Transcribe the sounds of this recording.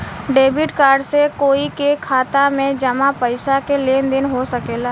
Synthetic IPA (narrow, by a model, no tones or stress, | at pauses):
ɖeːbɪʈkaːɾɖsekoːikekʰaːt̪amẽd͡ʒɐmapəɪsakeleːnd̪ɪnɦosəkeːlaː